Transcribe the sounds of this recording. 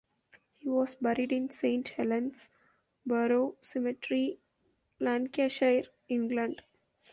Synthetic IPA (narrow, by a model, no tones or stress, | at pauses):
hiːʋɔːzbɛɾiɖɪ̃nsẽːɳʈhɛlə̃nɖs | bəɾoːsɪmɪʈɾi | læ̃nkeʃaɪɾ | ɪ̃ŋɡlə̃ɳɖ